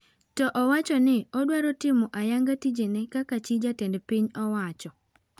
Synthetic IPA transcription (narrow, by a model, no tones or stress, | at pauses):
tɔʔɔwat͡ʃɔnɪɔdwaɾɔtɪmɔʔajaŋɡatid͡ʒenɛkakat͡ʃid͡ʒatɛndpiɲɔwat͡ʃɔ